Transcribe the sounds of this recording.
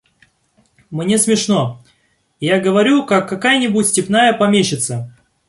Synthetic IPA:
mnʲe̞smʲɪʂno | jaɡəvɐɾʲukakːɐkajənʲɪbutʲsʲtʲɪpnajəpɐmʲeɕɪt̪sə

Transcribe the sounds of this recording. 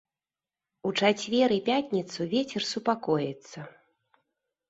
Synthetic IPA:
ut͡ʂat͡sʲvʲɛɾɨpʲat̪ʲnʲit̪suvʲet͡sʲɛrsupakɔjɛt̪sːɐ

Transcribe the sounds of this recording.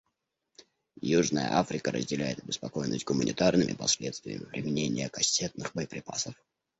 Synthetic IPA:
juʐnəjə̰ʔafɾʲɪkəɾə̰zʲdʲɪlʲæjɪt̪əbʲɪspɐko̞jnəsʲt̚ʲɡʊmənʲɪt̪arnɨmʲɪ̰pɐslʲet̪st̪vʲɪ̰jːə̰mʲɪpɾʲɪmʲɪnʲenʲɪjəkɐsʲːet̪̚nɨxbəɪpɾʲɪpa̰səf

